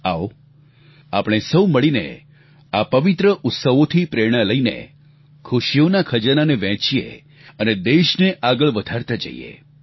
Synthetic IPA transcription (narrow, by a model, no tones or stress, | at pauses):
ao | apɽ̃esəwməɭinḛ | apəʋit̪ɾəʔʊt̪səʋot̪ʰipɾeɾɽ̃ələinḛ | kʰuʃijonakʰəd͡ʒənaneʋɛ̃t͡ʃijḛ | əned̪eʃneʔaɡəɭʋəd̪ʱaɾt̪ad͡ʒə̰ḭjḛ